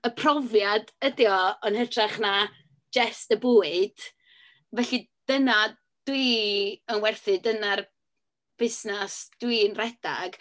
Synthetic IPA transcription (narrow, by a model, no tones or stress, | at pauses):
əpʰrɔvjadədjɔɔnhətʰraχna | d͡ʒɛstəboːɨd̥ | vɛɬi | d̥əna | d̥wiənwɛrθɨdənar | b̥ɪsnasd̥winrɛd̥a̰ɡ̥